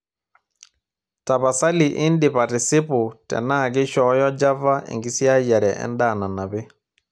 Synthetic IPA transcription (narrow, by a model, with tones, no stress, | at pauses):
ta˨βa˨sa˦li˨ʔɪ˦ndɪ˨pa˨tɪ˨sɪ˦pʊ˨tɛ̰˨na˦˨ɡ̬ɪ˦ʃɔ˨˦jɔ˦d͡ʒa˦va˦ɪ̰˨ŋɡɪ˦sja˦jɛ˨ɾɛ˨ʔɛ̰˦nda˦˨na˨na˨bɪ˦